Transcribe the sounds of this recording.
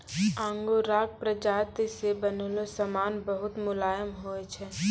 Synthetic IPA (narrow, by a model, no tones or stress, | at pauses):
ãːŋɡoɾaːk̚pɾəd͡ʒaːt̪isebənolosəmaːnbəɦʊt̪mʊlaːjəmɦoːet͡ʃʰɛ